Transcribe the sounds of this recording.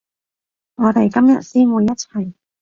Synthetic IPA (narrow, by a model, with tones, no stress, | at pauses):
ŋɔː˨˧t̪e˨˩jkɐ˥mjɐ˨t̚siː˥nwuː˨˧jːɐ˥t̚t͡sʰɐ˨˩j